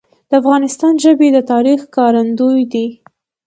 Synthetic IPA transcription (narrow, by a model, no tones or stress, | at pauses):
d̪̥əafɣɑnɪst̪ɑnʒəbed̪ət̪ɑɾixkɑɾand̪ujd̪i